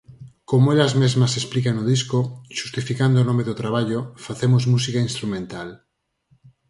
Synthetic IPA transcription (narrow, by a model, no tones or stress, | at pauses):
komoelazmezmasesplikaŋnoðiskoʃu̥st̪ifikand̪onomeðʊt̪ɾaβ̞aʎofaθemozmusikainst̪ɾumẽnt̪al